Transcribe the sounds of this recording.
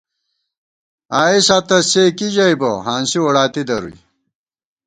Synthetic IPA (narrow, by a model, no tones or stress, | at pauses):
aːisat̪ɐseːkiʑɐjbɐɦãːnsiwɐɽaːt̪id̪ɐɾṵj